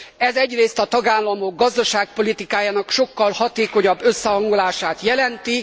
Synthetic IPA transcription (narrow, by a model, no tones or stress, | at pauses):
ɛzɛɟreːst̪ɒt̪ɒɡaːlːɒmo̞ɡ̚ːɒzd̪ɒʃaːk̚po̞lit̪ikaːjaːnɒkʃo̞kːɒlhɒt̪eːko̞ɲɒbːø̞sːɛɦɒŋɡolaːʃaːt̪jɛlɛnt̪i